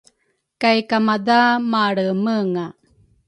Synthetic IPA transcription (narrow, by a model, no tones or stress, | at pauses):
kajkamad̪amaɽəməŋa